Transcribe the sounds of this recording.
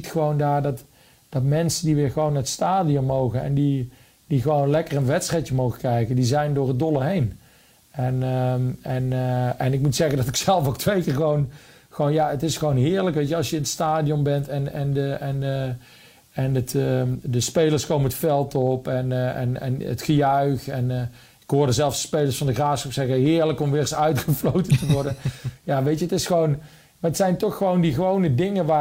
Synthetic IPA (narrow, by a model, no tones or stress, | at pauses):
itχəʋowndaːɹdɑt | d̥ɑtmɛnsəndiʋɪːɹχəʋownətstaːdiɔmːowχənɛ̰ndi | diχəʋownlɛkərənʋɛtstrɛjtjəmowχəkrɛjkəndizɛjndʊːɹɦəd̚dolˠəɦejn | ɛn | ɛnɛnɪkmutsɛχəndɑtɪksɛlˠfowk̚tʋejkɪːɹχəʋown | χəʋoːnjaətɪsχəʋownɦɪːɹləkʋejtəɑlˠsjəɪnətstaːdiɔnbɛntɛnɛndəɛn | ɛnətdəspejləɹskowmənətfɛlˠtɔpɛnɛ̰nɛ̰nətχəjœɥχɛn | ɪ̥kɦʊːɹdəzɛlˠsə̥spejləɹsfɑndəɣraːsxɔpsɛɣəɦɪːɹləkɔmʋɪːrsœɥtχəflowtəntəʋɔɹdənjaːʋejtjəətɪsχəʋown | maətsɛjntɔχːəʋowndiɣəʋownədɪŋəʋaː